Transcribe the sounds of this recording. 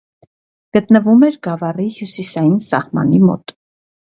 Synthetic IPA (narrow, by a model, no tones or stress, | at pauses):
ɡ̥ət̪nəvumɛɾɡɑvɑrihjusisɑjinsɑhmɑ̰nimɔ̰t̪